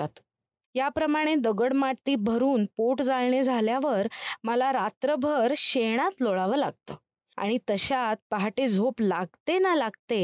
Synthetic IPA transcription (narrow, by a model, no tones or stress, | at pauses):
at̪ | japɾəmaɽ̃ed̪əɡəɽmaɽt̪iːbʱəɾuːnpoʈd͡zalɳed͡zʱaljaʋəɾməlaɾat̪ɾəbʱəɾɕeɽ̃at̪loɭaʋəlaɡ̚t̪ə | a̰ɽ̃it̪əɕat̪̚paɦaʈed͡zʱoplaɡ̚t̪enalaɡt̪e